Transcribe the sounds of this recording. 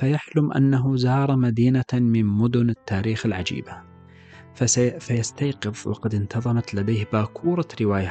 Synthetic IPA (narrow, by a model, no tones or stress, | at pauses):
fajaħlʊmʔa̰nːaɦʊzɑːɾˤɑmad̪iːnamɪnmʊd̪ʊnɪt̪ːaːɾiːxɪlʕad͡ʒḭːba | fajast̪ajqɨðˤwɑ̰qɑd̪ɪnt̪ʰɑðˤɑmat̪lad̪aːhbaːkʰuːɾˤɑɾɪwaːja